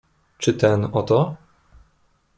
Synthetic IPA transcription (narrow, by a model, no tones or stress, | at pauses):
t͡ʂɨt̪ɛnɔt̪ɔ